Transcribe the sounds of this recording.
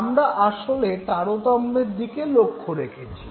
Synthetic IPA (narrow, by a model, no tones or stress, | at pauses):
mɾaʔaʃolet̪aɾot̪ɔmːeɾd̪ikelokʰːoɾekʰet͡ɕʰi̥